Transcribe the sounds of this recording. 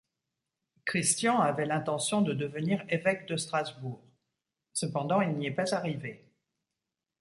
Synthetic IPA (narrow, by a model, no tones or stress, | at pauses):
kχist̪jɑ̃avɛlɛ̃t̪ɑ̃sjɔ̃d̪əd̪əvəniʁevɛkd̪əst̪χazbuːʁ | səpɑ̃d̪ɑ̃ilniɛpazaʁive